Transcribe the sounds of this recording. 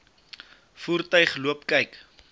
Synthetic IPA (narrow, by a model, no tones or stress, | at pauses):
fuːrtœɥχluəpkɐjk